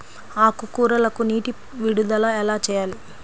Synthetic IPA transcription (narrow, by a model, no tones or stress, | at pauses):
aːkukuːɾɐlɐkuniːʈi | ʋiɽud̪ɐlɐɛlaːt͡ʃɛːjaːli